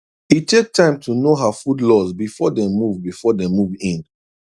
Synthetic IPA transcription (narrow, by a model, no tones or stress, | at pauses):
itʰek̚tʰãɪ̃mtʰunoɦafudlɔzbifɔdɛ̃muvbifɔdɛ̃muvĩn